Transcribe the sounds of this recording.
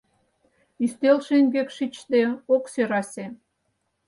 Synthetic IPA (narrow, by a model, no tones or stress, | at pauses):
yst̪elʃeŋɡekʃit͡ɕt̪eoksøɾɑsʲe